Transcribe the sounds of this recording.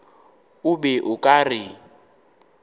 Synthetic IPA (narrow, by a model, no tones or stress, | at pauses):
ubɛʔukʼari